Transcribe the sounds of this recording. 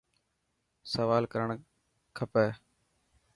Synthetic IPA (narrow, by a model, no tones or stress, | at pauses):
səʋaːlkəɾəɳ | kʰəpeː